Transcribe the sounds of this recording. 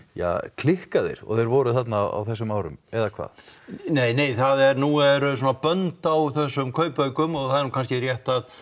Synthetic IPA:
ja̰kʰlɪhkaðɪ̰ɾɔ̰ɣðɛjɾvɔːɾʏθat̪na̰a̰wθɛsːʏmaːwɾʏmɛðakʰva̰ːðneːjneːjθaðɛɾnuɛɾʏsoɔːnapœnt̪awθɛsːʏmkʰœːɥpœɥkʏmɔɣθaðɛɾnuːkʰanscɪrjɛht̪að

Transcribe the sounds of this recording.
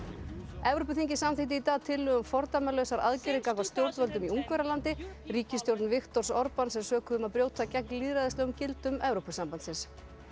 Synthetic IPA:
ɛvɾopʏθiɲcɪsamθɪt̪̬ɪit̪aːðt̪ʰɪlːʏɣʏmfɔɾt̪amɛlœwsaɾa̰ðcɪɾɪkakvast̪jowɾt̪vœlt̪ʏmiuŋkvɛɾalant̪ɪriːcɪst̪jowɾt̪nvɪxt̪ɔr̥sɔɾpansɛmsœːkʏðʏmaðpɾjoːwt̪ʰacɛk̚nliːðɾaðɪst̪ɛɣʏmcɪlt̪ʏmɛvɾowpʏsampant̪sɪns

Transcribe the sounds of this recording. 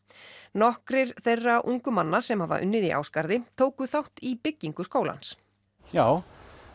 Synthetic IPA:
nɔhkɾɪɾ̥θejrːaʔuŋkʏmanːasɛmhava̰ʔʏ̰nːɪðiʔa̰wskaɾðɪt̪ʰoːwkʏθawht̪ipɪcːiŋkʏskoːwla̰ns | jaːw

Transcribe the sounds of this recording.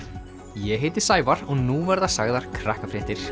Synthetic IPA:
jɛɦeːjt̪ɪ̥saːjvaɾɔɣnuvɛɾðasaɣðaɾ̥kʰɾahkafɾɛht̪ɪɾ̥

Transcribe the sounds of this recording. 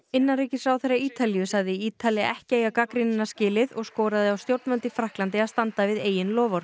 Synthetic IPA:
ɪnːanɾiːcɪsɾaːwθejɾrːaiːt̪alijʏsaɣðɪiːt̪ʰaliaʔɛhcɪejɣakakɾɪnɪnːascɪːlɪðɔɣskowɾaðɪawst̪jowɾt̪mœnt̪ɪfɾahklant̪ɪaðst̪ant̪avɪðeːjɪnlɔːvɔɾ

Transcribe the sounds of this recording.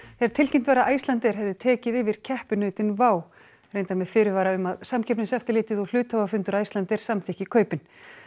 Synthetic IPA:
ɛɾ̥t̪ʰɪlcɪm̥t̪vɛɾaʔaːjst̪lant̪ɛɾ̥ɦɛvðʏt̪ʰɛːcɪðɪvɪɾ̥cʰɛhpʏnœːɥt̪ɪnvaːw | r̥eːjnt̪aɾmɛðfɪːɾɪvaːɾaʏmaðsamcʰɛpnɪnsɛft̪ɪɾlɪːt̪ɪðɔl̥ʏːt̪havafʏnt̪ʏɾaːjst̪lant̪ɪɾ̥samθɪhcɪkʰœːɥpɪn

